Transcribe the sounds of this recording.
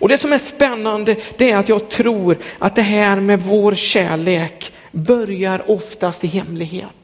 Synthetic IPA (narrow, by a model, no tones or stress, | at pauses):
ɔd̪ɛsɔmæʂpɛnːand̪əd̪̥ɛæɾat̪jɑːɡ̚t̪ʰɾuːɾʔa̰t̪̚d̪ɛɦæːɾmɛvoːɾɕæ̰ːɭeːk | bœɾjaɾɔft̪ast̪ɪɦɛmːlɪɡhḛːt̪